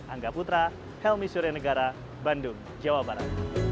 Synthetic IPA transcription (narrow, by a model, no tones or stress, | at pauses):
ʔaŋɡaput̪ɾa | hɛlmisuɾanəɡaɾa | bandʊŋ | d͡ʒawabaɾa̰t̪̚